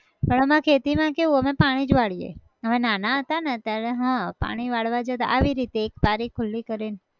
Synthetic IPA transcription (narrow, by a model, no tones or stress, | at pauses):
pəɳəmãkʰet̪imãkeʋũəmepaɽ̃id͡ʒʋaɭijḛ | əʋenanaɦət̪anet̪jaɾeɦãpa̰ɽ̃iʋaɭʋad͡ʒet̪a̰ʔaʋiɾit̪eːkpaɾikʰʊlːikəɾen